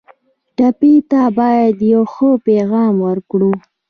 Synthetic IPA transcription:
ɖapit̪abɑjad̪jawxəpeɣɑmwəɾkɽu

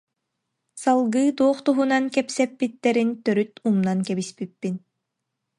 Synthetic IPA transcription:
salˠɡɯːd̪uɔχt̪uɦunankɛpsɛpːit̪ːɛɾint̪œɾyt̪umnankɛbispipːin

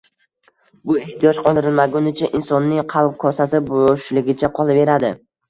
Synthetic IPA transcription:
bʊe̞ht̪ʰijɒd͡ʒqʰɒld̪ɪɾɪlmaɡʊnɪt͡ʃʰaʔɪnsɒnːɪŋqʰɑlˠp̚kʰɒsasɪbʊʃlɪɡʲɪt͡ʃʰaqʰɒlˠave̞ɾad̪ɪ

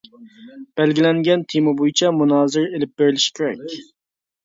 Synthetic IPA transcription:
b̥ɛlɡʲilɛŋɡʲɛnt̪ʰemɨbojit͡ʃʰɛmunɑːzɪɾelɪp̚beɾɪlɪʃi̥kʲʰeɾɛ̰kʲ

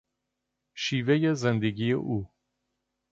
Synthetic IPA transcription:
ʃiːvejezend̪eɡʲijḛʔuː

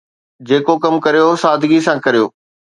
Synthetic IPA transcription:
d͡ʑeːkokɐmkɐɾijosaːd̪ʱɪɡisãːkɐɾijoː

